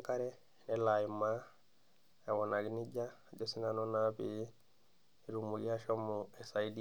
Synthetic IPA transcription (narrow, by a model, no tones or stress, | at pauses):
kaɾɛ | nɛlajima | awɔnaɡiniɟa | ɟɔsinanɔnapi | ɾumuɡiaʃɔmːɔɛsaidi